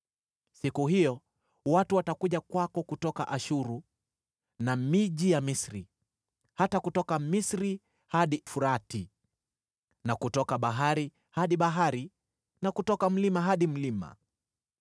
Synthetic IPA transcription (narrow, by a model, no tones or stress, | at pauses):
sikuɦijɔ | watuwatakuʄakwakɔkutɔka̰ʔaʃuɾu | namiʄijamisɾi | hatakutɔkamisɾi | haɗifuɾati | nakutɔkaɓaɦaɾi | haɗiɓaɦaɾi | nakutɔkam̩limaɦaɗim̩lima̰